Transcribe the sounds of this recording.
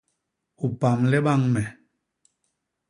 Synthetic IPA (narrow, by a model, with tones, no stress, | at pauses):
u˨pa˨mlɛ˦ɓa˦ŋmɛ˨